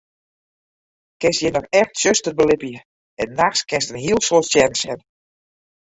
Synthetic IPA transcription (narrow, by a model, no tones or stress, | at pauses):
kɪnsjɛnɔxɛxtsøstərbəlɪpjə | ɛnːaxskɪnstənɦiəlˠsoətsjɛnsɛn